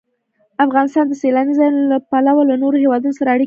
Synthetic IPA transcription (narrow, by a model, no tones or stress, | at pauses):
afɣɑnɪst̪ɑnd̪əselɑnizɑjnlapalawalanoɾohewɑd̪unosaɾaaɽi